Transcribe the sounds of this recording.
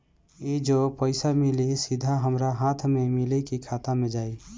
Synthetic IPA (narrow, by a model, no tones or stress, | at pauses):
jed͡ʒopəɪsamɪlesɪd̪ʱaɦəmɾaɦãːt̪ʰmẽmɪlekikʰaːt̪amẽd͡ʒaːi